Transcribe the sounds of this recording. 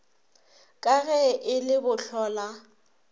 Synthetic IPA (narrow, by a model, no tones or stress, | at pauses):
kʼaɣɛʔɪlɪbʊɬɔːla